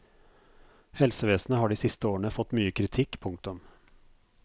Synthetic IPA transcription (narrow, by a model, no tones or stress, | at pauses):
hɛlsəʋeːsnəhɑːɖiːsɪst̪əoːəɳəfɔt̪ːmyːəkʰɾɪt̪ʰɪkːpʰʊŋk̚t̪ʊm